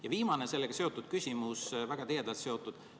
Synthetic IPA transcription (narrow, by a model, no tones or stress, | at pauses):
jɑviːmɑnese̞lːeɡɑse̞ot̪ːˑud̪̥̚kysʲimusvæɡ̥ɑt̪ijed̪̥ɑlt̪se̞o̞t̪ːˑud̪̥